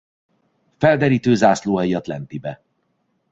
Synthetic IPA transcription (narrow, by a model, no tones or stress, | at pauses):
fɛld̪ɛɾiːt̪øːzaːsloːɛiɒt̪lɛ̰nt̪ibɛ